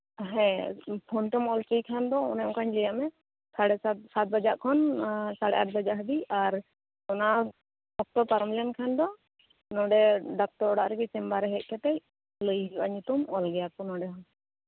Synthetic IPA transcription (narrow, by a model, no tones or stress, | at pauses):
ɦɛ̃pʰɔnʈɔmɔlt͡ʃijkʰand̪ɔɔ̰nɛɔ̃ŋkʰaɲd͡ʒɛjaʔmɛ | saɽɛssat̪̚bad͡ʒaʔkʰɔnsaɽɛʔat̪̚bad͡ʒaʔɦb̪iaɾ | ɔna | bɔk̚t̪ɔpaɾmlɛankʰand̪ɔ | nɔɖɛɖak̚ʈɔɾɔɽaʔɾɛɡɛsɛmbaɾɛɦɛc̚ˀkɛt̪ɛj | ləjɦia̰ɲut̪umɔlɡɛjakɔnɔɖɛɦɔn